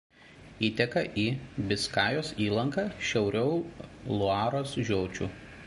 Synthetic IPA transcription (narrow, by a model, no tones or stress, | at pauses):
iːt̪ʲɛkɐʔiːbʲɪskɑːjoːsiːlˠɐŋkɑːʃʲɛʊɾʲɛʊlˠʊɑːɾoːsʒʲoːt͡ʃʲuː